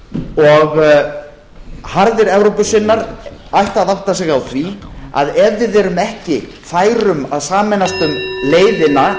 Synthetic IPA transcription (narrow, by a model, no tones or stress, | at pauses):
ɔɣ | haɾðɪɾɛvɾowpʏsɪnːaɾajht̪aðawht̪asɛɣawθvia̰ðɛvvɪðɛɾʏmɛhcɪ | faːjɾʏmaðsaːmɛnast̪ʏmleːjðɪna